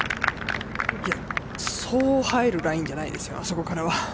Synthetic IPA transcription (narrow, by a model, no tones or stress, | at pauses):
ia | so̞ːhaeɾɯ̟ɾaĩɲ̟d͡ʑanaḭd̪e̞sɨ̥jo̞̰aso̞ko̞kaɾaβa